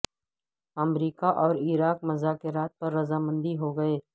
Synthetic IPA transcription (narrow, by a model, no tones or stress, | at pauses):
ɐmɾiːkaʔɔːɾɪɾaːk̚mɐzaːkeɾaːt̪̚pɐɾːɐzamə̃nd̪iɦoɡɐeː